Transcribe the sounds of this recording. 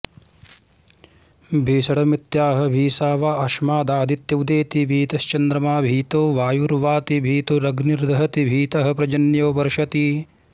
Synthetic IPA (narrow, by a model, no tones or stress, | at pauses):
bʱiːsɐɽɐmit̪jaːɦɐ̆bʱiːsaːʋaːʔɐʃmaːd̪aːd̪it̪jɐwd̪eːt̪ibʱiːt̪ɐst͡ʃɐnd̪ɾɐmaːbʱiːt̪oːʋaːjuɾʋaːt̪ibʱiːt̪uɾɐɡniɾd̪ʱɐɦɐt̪ibʱiːt̪ɐɦɐ̆pɾɐd͡ʒɐnjoːʋɐɾʂɐt̪i